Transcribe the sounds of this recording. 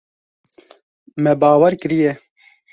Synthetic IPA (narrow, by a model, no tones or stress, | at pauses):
mɛbaːwɛɾkɨɾijɛ